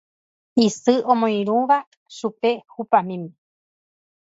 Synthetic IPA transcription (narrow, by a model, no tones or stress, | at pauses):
isɨʔõmõĩɾ̃ũʋa | ʃupehupamĩmi